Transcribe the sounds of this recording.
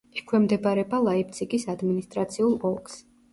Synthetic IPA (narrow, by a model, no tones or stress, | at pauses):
ɛkʰwɛmd̪ɛbaɾɛbalˠaip̚t̪sʰikʼisad̪minist̪ʼɾat̪sʰiulˠɔlˠks